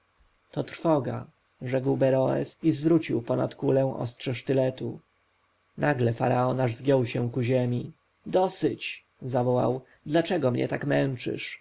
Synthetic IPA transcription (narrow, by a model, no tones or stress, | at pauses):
t̪ɔt̪ɾfɔɡa̰ | ʐɛkwbɛɾɔɛ̰sizvɾut͡ɕiwpɔna̰t̪kulɛw̃ʔɔ̰stʂɛʂt̪ɘlɛt̪u | nʔaɡlɛfa̰ɾaɔnaʐzɡʲjɔwɕɛw̃kuʑɛmʲi | d̪ɔsɘt͡ɕ | zavɔwa̰w | d̪lat͡ʂɛɡɔmɲɛ̰t̪akmɛnt͡ʂɘ̰ʂ